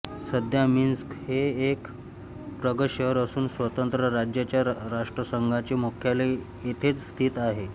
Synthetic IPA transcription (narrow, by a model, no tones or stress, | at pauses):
səd̪jaminskheek | pɾəɡəɕəəɾəsuːnsʋət̪ənt̪ɾəɾad͡ʑjat͡ɕjaɾaʂʈɾəsəŋɡʱat͡ɕemukʰjale | et̪ʰet͡sst̪ʰiːt̪aɦe